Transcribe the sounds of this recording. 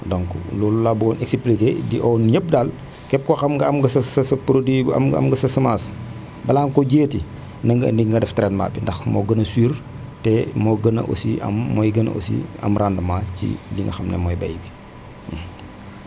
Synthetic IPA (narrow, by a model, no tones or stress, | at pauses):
dɔŋklululabukɔnʔɛksplikeːdiʔɔnɲəp̚dal | kɛp̚kɔxɐmɡɐɐmɡɐsɐsɐsɐpɾodwibɐ̰mɡɐ̰mɡɐsɐsɐmaːs | bɐlaŋkɔɟeːti | nɐŋɡɐndiŋɡɐdɛftɾɛnma̰ːbindɐxmɔɡɐnɐsiːr | tɛmoɡɐnɐ̰ʔo̰siɐ̰mːɔjɡɐnɐ̰ʔo̰sḭɐ̰mrʔandɐmacḭndiŋɡɐ̰xɐmnɛ̰mɔjbɐ̰jbi